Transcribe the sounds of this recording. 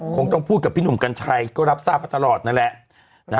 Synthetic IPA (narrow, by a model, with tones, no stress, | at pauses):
kʰo˧ŋt̪ɔ˥˩ŋpʰu˥˩t̪̚ka˨˩pʰiː˥˩nu˨˩mka˧nt͡ɕʰa˧jkɔː˥˩ɾa˦˥p̚saː˥˩a˧˩t̪a˧lɔː˨˩t̪̚na˦˥˩nlɛ˨˩ʔ | na˦˥